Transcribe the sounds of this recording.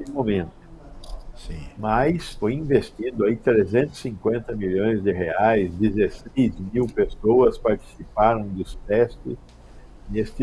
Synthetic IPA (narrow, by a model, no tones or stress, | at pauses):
ɪmomẽnt̪ʊsĩmajsfojĩvest̪id̪ʊait̪ɾezẽnt̪ʊ̥sĩŋkwẽnt̪ɐmiʎõj̃zd̪ɪɦeajzd̪ezesejzmiwpesowɐspaɾt͡ʃ̪i̥sipaɾɐ̃w̃d̪ʊst̪ɛst̪ɪs | nest̪ɪ